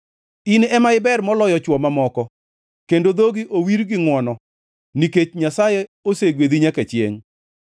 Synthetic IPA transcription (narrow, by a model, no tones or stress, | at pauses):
inɛmaɪbɛrmɔlɔjɔt͡ʃwɔmamɔkɔ | kendod̪oɡiʔowiɾɡɪŋwɔnɔ | niket͡ʃɲasajɛoseɡwed̪iɲakɛt͡ʃjḛŋ